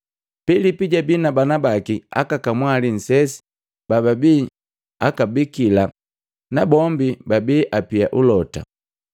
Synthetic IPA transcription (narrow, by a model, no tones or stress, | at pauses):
pilipiɟabinabanabakia̰kakamwalin̩sɛsi̥ | bababiː | akabikila | nabɔmbibabiʔapiaʔulɔta̰